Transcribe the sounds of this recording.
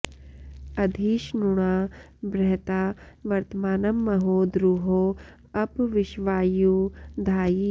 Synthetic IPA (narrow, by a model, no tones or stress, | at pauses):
ɐd̪ʱiːʃnuɽ̃aː | bɾɛɦt̪aːʋɐɾt̪əmaːnɐmːɐɦoːd̪ɾuɦoː | ɐpʋɪʃʋaːjuːd̪ʱaːi